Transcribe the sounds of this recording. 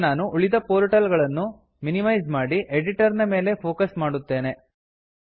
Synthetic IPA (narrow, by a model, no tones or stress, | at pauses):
naːnuʔuɭid̪ɐpoːɾʈɐlɡɐɭɐnːu | minimɐjzmaːɽiʔeɖiʈɐɾnɐme̞ːle̞pʰo̞ːkɐsmaːɽut̪ːe̞ːne̞